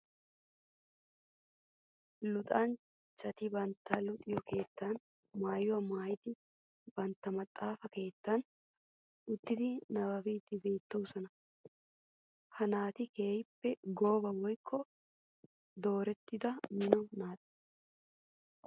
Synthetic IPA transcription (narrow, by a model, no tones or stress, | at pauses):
lʊt̪ʼɐn | t͡ʃʼɐt̪ɪbɐnt̪ːɐlʊt̪ʼɪjɔke̞ːt̪ːɐn | maːjwɐmaːjɪd̪ɪ | bɐnt̪ːɐmɐt̪ʼːaːfɐke̞ːt̪ːɐn | ʔʊt̪ːɪd̪ɪnɐbɐbiːt̪ːɪbe̞ːt̪ːɐwʊsɐnɐ | hɐnaːt̪ɪke̞ːjɪpːɛɡo̞ːbɐwɔjkʰːɔ | d̪o̞ːɾɛt̪ːɪd̪ɐmɪnɔnaːt̪ʼɛ̥